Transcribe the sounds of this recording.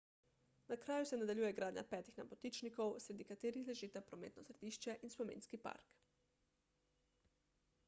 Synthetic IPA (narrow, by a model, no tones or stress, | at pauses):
nakɾaːjusɛnad̪aʎjuːjɛɡɾaːd̪ɲʔa̰pɛːt̪ixna̰pot̪it͡ʃnikowsɾed̪ikat̪eːɾixleʒiːt̪apɾomḛːt̪nosɾɛd̪iːʃt͡ʃɛʔinspomḛːnskipa̰ːɾk